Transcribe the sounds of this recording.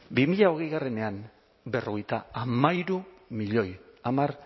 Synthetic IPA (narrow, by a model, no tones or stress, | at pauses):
bimiʎao̞ɣ̞ejɣare̞ne̞am | be̞rʔo̞ɣ̞e̞jt̪aamaiɾumiʎo̞jamaɾ